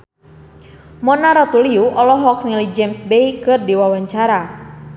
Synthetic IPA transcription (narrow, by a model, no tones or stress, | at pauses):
mɔnaɾɔt̪uliuʔɔlɔɦɔk̚nilid͡ʒemsbeikɨrdiwawaɲt͡ʃaɾa